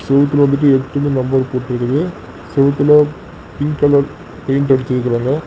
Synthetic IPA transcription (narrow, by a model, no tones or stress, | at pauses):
sɛʋɐt̪̬ːɪlʋɐnd̪ɯʈ̬ːɯɛʈːɐmeːnɐmbɐɾpoːʈːɪɾɯkːɐðɯ | sɛʋɐt̪ːɪlɐ | pɪŋɐlɐɾ | pɐɪɳʈɐɽɪt͡ʃːɪɾɯkːɐɾaːŋɡɐ